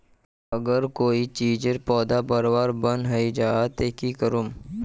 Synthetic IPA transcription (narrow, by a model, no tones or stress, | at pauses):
əɡəɾkoːit͡ʃiːd͡ʒeɾpɔːd̪apəɾʋaɾbənɦəid͡ʒaat̪ekikəɾum